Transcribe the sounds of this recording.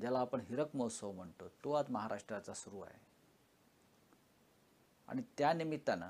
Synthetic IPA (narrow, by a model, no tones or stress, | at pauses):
d͡ʑalaːpəɳɦiɾəkmosəʋm̤əɳt̪ot̪oat̪məɦaɾʔaʂʈɾat͡sasuɾuːa̰ɦḛ | a̰ɽ̃it̪janimit̪ːana̰